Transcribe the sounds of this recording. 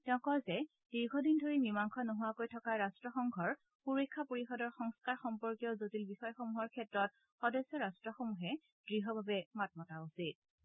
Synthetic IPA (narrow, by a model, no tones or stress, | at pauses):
tɛʊ̃kɔɹzɛ | d̥iɹɡʱɔdindʱoɹimimaŋkʰɔnoɦʊwakojtʰɔkaɹastɹɔxɔŋɡʱɔɹ | xuɹekʰːapoɹixɔdɔɹxɔŋskaɹxɔmpɔɹkijɔzotilbixɔjɔxomuɦɔɹkʰɛtɹɔt̚ | xɔdɔsːɔɹastɹɔxomuɦɛ | dɹiɦɔbʱabɛmat̚mɔtausit̚